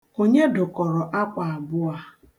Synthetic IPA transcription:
o˦ɲe˦dʊ˨kɔ˨ɾɔ˨ʔa˦k͡pa˨a˨bʊ˦a˦

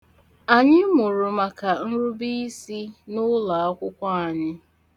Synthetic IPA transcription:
a˨ɲɪ˦mʊ˨ɾʊ˨ma˨ka˨n̩˦ɾu˦bi˦i˦si˦nʊ˦la˨a˦kʷʊ˦kʷa˦a˨ɲɪ˦

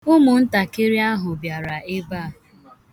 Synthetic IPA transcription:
ʊ˦mʊ˨n̩˦ta˨kɪ˦ɾi˦a˦ɦʊ˨bja˨ɾa˨ɪ˦ba˦˨

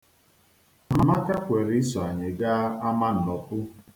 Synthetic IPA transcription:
m̩˨ma˦ka˦kʷe˨ɾɪ˦sɔ˨a˨ɲe˨ɡa˦a˦ma˦n̩˨nɔ˨pʊ˦

